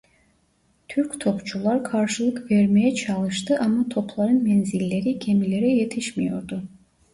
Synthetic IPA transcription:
t̪ʰyɾkʲt̪ʰo̞pt͡ʃʰulˠaɾkʰaɾʃɯlˠɯkveɾmejɛt͡ʃʰɑlˠɯʃt̪ɯʔamːat̪ʰo̞pʰlˠɑɾɯnmenzilʲːe̞ɾicʰe̞mile̞ɾɛje̞t̪ʰiʃmijo̞̰ɾd̪u

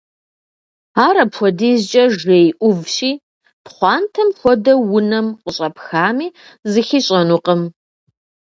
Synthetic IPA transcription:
aːɾɐpxʷɔdiːzt͡ʃʼɐʒejʔʷʊvɕʼiː | pχʷɑːntʰɐmxʷɔdɐwʊnɐmqʼəɕʼɐpxaːmiː | zɨxiːɕʼɐnuqəm

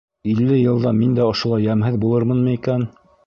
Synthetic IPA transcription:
ilːɘjɤ̆lˠd̪ɑmind̪æŏʃŏlˠɑjːæmɦɘðbulˠɤɾmɤnmɤikæn

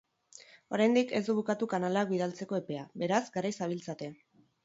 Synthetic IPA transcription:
o̞ɾajnd̪ike̞zd̪uβukat̪ukanalakbiðalt͡se̞ko̞e̞pe̞abe̞ɾazɡaɾajsaβ̞ilt͡sat̪e̞

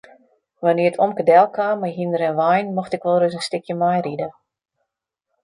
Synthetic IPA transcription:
ʋanɪətʰomkədɛlˠkʰaːmːajɦindəɾɛnʋajnmɔxtɪkʋɔlˠrøs̬ənstɪkjəmajridə

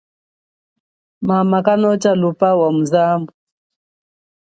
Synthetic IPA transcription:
mamakanɔt͡ʃalupawamuzambu

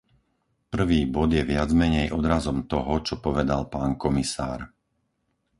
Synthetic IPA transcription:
pr̩ʋiːbɔd̪jɛʋɪad͡zmɛɲɛjʔɔd̪ɾazɔmt̪ɔɦɔt͡ʃɔpɔʋɛd̪alpaːnkɔmisa̰ːɾ

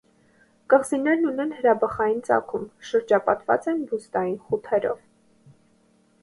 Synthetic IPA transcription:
kəʁzinɛɾnunɛnhəɾɑbɑχɑjint͡sɑ̰kʰumʃəɾd͡ʒɑpɑt̪vɑ̰t͡sɛnbuzd̪ɑjinχut̪ʰɛɾɔ̰v

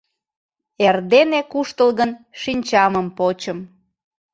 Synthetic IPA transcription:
erd̪enekuʃt̪əlɣənʃinʲt͡ɕɑməmpot͡ɕəm

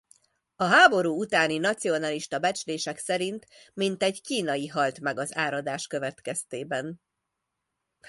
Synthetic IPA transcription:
ɒɦaːbo̞ɾuːut̪aːninɒt̪sio̞nɒliʃt̪ɒbɛt͡ʃleːʃɛksɛɾint̪mint̪ɛɟkiːnɒjiɦɒlt̪mɛɡɒzaːɾɒd̪aːʃkø̞vɛt̪kɛst̪eːbɛn

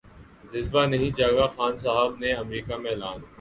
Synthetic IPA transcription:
d͡ʒɪzbanɐɦĩd͡ʒaːɡaxaːnsaɦəbneɐmɾiːkamẽlaːn

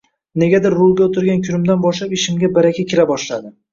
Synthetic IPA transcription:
ne̞ɡʲad̪ɪɾːʊlˠɡʲaot̪ʰʊɾɡʲankʲʰʊɾɪmd̪anbɒʃlapɪʃɪmɡʲabaɾakʲʰakʲʰɪɾabɒʃlad̪ɪ

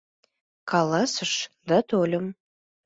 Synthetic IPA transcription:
kʰɑlˠɑsəʃd̪at̪olʲə̆m

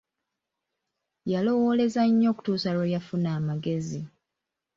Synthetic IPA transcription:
jalo̞wo̞le̞zaɲːo̞ːku̥tuːsalwojafunaːmaɡe̞zi

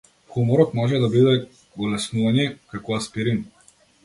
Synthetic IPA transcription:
xɔmɔɾɔkmɔʒɛd̪abid̪ɛ | ɡɔlɛsnuvanɛkakɔaspiɾin

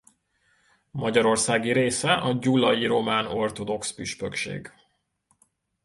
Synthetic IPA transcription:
mɒɟɒɾo̞rsaːɡiɾeːsɛʔɒɟulɒjiɾo̞maːno̞rt̪o̞d̪o̞kspyʃpøkʃḛːɡ

